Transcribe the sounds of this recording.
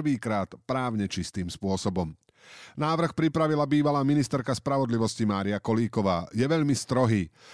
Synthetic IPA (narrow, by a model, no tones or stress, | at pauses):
ʋiːkɾaːt̪pɾaːʊɲɛt͡ʃist̪iːmspʊɔsɔbɔm | naːʋr̩xpɾipɾaʋilabiːʋalaːminist̪ɛɾkaspɾaʋɔd̪liʋɔscimaːɾiakɔliːkɔʋaːjɛʋɛʎmist̪ɾɔɦiː